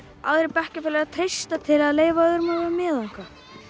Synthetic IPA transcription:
a̰wðɾɪpɛhcɪfɛːlɛɣat̪ʰɾejst̪at̪ʰɪlaðleːjvaðʏɾmavɾamɪːðaŋ̥ka

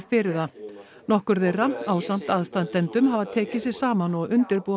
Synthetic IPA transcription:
fɪɾɪða | nɔhkʏɾθejraaːwsan̥t̪aðst̪ant̪ɛnt̪ʏmɦavaðt̪ʰɛːcɪsɪ̥saːmanɔɣʏnt̪ɪɾpu

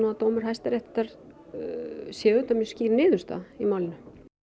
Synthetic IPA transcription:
nuat̪oːwmʏɾ̥ɦajst̪aɾɛht̪t̪aɾ | sjɛːɣʏt̪amʏsciːɾnɪːðʏst̪a̰imawlɪnʏ

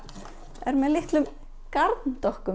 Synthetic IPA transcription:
ɛɾmɛðlɪht̪lʏm | kaɾt̪nt̪ɔhkʏ

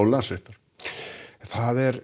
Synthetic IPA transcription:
wlaseht̪aɾ̥ | θaðɛɾ

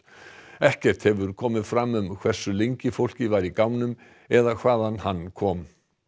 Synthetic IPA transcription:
ɛhcɛr̥t̪hɛvʏɾkʰɔːmɪðfɾamːʏmkʰv̥ɛr̥sʏlejɲcɪfowl̥cɪvaɾikaːwnʏm | ɛðakʰv̥aːðanhanːkʰɔːm

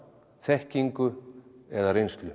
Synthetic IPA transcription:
θɛhciŋkʏɛðarejnst̪lʏ

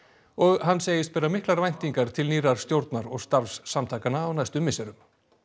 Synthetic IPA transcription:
ɔɣɦanːseːjɪst̪̚pɛːɾamɪhklaɾvajn̥t̪iŋkaɾ̥t̪ʰɪlniːɾaɾ̥st̪jowɾt̪naɾɔɣst̪afsːamt̪ʰaːkanaːwnajst̪ʏmːɪsɛɾʏm

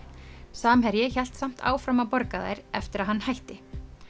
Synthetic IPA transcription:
saːmɦɛɾjɪçɛl̥t̪sam̥t̪ʰa̰ːwfɾamapɔɾkaða̰jɾɛ̰ft̪ɪɾaðɦanːhajht̪ɪ

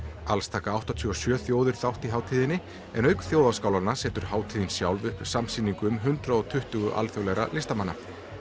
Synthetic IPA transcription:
alst̪ʰaːkaawht̪at̪ʰʏːɔsjœːθjoːwðʏɾ̥θawht̪iɦaːwt̪ʰiːðɪnɪ | ɛnœɥkθjoːwðaskaːwlanasɛːt̪ʏɾ̥haːwt̪ʰiːðɪnsjawlðʏhpsamsiːniŋkʏmɦʏnt̪ɾaɔt̪ʰʏht̪ʏɣʏʔa̰lθjowlɛɣɾa̰lɪst̪amanːa̰

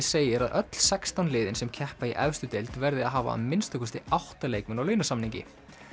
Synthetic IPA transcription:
seːjɪɾaðʔœt̪l̥sɛkst̪anlɪːðɪnsɛmcʰɛhpaiʔɛvst̪ʏt̪ejlt̪vɛɾðɪaðɦaːva̰a̰nmɪnst̪ʏkʏst̪ɪawht̪aleːjkmʏnawlœːɥnasamniɲcɪ̰

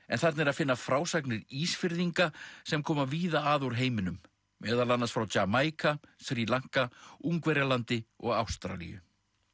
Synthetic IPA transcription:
ɛ̰nθaɾt̪nɛɾaðfɪnːafɾaːwsaknɪɾiːsfɪɾðiŋkasɛmkʰɔːmaviːðaaːðuɾ̥ɦeːjmɪnʏmː | ɛːðalanːasfɾawt͡ɕamaːjkʰafθɾiːlaŋ̥kauŋkvɛɾjalant̪ɪɔɣa̰wst̪ɾa̰lḭjʏ̰

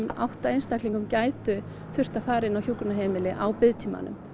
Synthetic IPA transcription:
ma̰wht̪aejnst̪ahkliŋkʏmcaːjt̪ʏ | θʏr̥t̪afaːɾɪnawçjukʏnaɦeːmɪlɪʔawpɪðt̪ʰiːma̰nʏ̰m

